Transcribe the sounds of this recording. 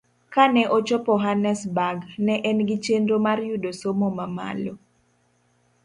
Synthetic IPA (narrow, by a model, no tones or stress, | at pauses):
kanɛʔot͡ʃɔpɔɦanɛsbaɡnɛʔɛnɡɪt͡ʃendomarjudosomomama̰lo